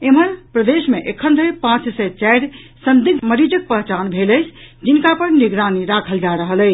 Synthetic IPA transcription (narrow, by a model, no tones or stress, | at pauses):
eməɾpɾəd̪esmeʔekʰənd̪ɾəpãt͡ʃsɛt͡ʃajɾsənd̪iɡməɾid͡ʒək̚pəɦt͡ʃanbʱeləjt͡ʃʰd͡ʒinkapəɾniɡɾaniɾakʰəld͡ʒaɾəɦələ